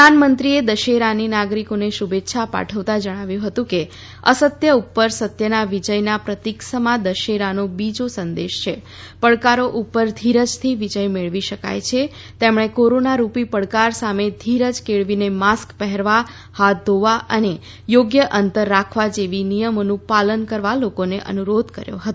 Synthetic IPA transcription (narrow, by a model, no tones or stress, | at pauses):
əanmənt̪ɾied̪əʃeɾaninaɡɾikoneʃubet̪ːʃʰapa̰ʈʰəʋt̪ad͡ʒəɽ̃aʋjũɦət̪ũke | əsət̪jəupːəɾsət̪jənaʋid͡ʒəjnapɾət̪iksəmãd̪əʃeɾanobid͡ʒosənd̪eʃt͡ʃʰe | pəɭkaɾoʔupːəɾd̪ʱiɾəd͡ʒt̪ʰiʋid͡ʒəjmeɭʋiʃəka̰jt͡ʃʰe | t̪emɽ̃ekoɾonaɾupipəɭkaɾsamed̪ʱiɾəd͡ʒkeɭʋinemaskpɛɦɛɾʋa | hat̪̚d̪ʱoʋaʔəne | joɡjəʔənt̪əɾːakʰʋad͡ʒeʋinijəmonũpalənkəɾʋalokoneʔə̰nuɾod̪kəɾjo̰ɦət̪õ